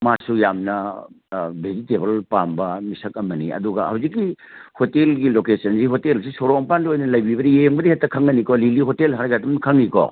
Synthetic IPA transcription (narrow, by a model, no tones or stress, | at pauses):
masujamnɐ | bezitebɐlpambɐmisɐk̚ɐmɐnḭɐ̰duɡɐ̰ha̰wzikːi | hotelɡilokesɐnsiɦotelsisoɾɔŋpandiojnɐlɐjbibɐdijeŋbɐdihetːɐkʰaŋːɐnikɔliliɦotelɦaɾɡadumkʰaŋnikɔ̰